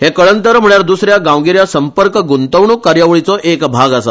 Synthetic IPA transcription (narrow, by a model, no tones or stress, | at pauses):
ɦekəɭənt̪əɾm̤əɭjaɾd̪usɾjaɡãʋɡiɾjasəmpəɾkɡunt̪əʋɳuːkːaɾjaʋɭit͡sɔʔekbʱaɡasa